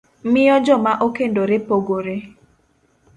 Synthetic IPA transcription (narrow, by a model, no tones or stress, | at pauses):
mɪɔd͡ʒɔmaʔokendoɾepoɡoɾe